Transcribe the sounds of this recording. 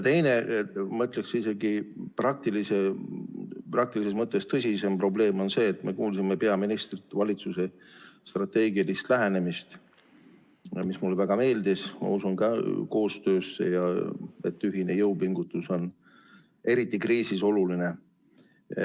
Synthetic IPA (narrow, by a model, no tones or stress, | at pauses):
jt̪e̞jne̞mɤt̪le̞ksise̞ɡiprɑk̚t̪ilise̞ | prɑk̚t̪ilise̞smɤt̪ːˑe̞st̪ɤsʲise̞mpro̞ble̞ːmo̞nse̞ːt̪me̞kuːlsimepe̞ɑminist̪rit̪ːˑvɑlʲit̪suse̞ | st̪rɑt̪ːe̞ːɡiɑlist̪læɦe̞ne̞mist̪ | mismulːevæɡ̥ɑme̞ːld̪ismɑ̰usunkɑko̞ːst̪ø̞ːsːe̞̰jɑet̪ːyɦine̞jɤwpiŋɡ̥ut̪ːˑuso̞n | e̞ɾit̪ːˑikriːsiso̞luline̞